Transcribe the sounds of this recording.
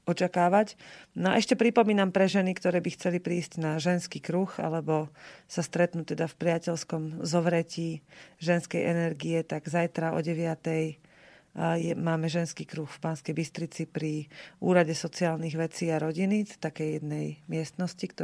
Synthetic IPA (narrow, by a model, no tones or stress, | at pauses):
ɔt͡ʃakaːʋacnaʔɛʃcɛpɾipɔmiːnampɾɛʒɛnikt̪ɔɾɛːbixt͡sɛlipɾiːscnaʒɛnskiːkɾuxa̰lɛbɔsast̪ɾɛt̪nut̪ɛd̪afpɾɪacɛlskɔmzɔʋɾɛciːʒɛnskɛjʔɛnɛɾɡiɛt̪aɡzajt̪ɾaʔɔ̰ɟɛʋɪat̪ɛj | jɛmaːmɛʒɛnskiːkɾuxfpaːnskɛjbist̪ɾit͡sipɾiuːɾaɟɛsɔt͡siaːlniɣʋɛt͡siːaɾɔɟinist̪akɛjjɛd̪nɛjmɪɛst̪nɔscikt̪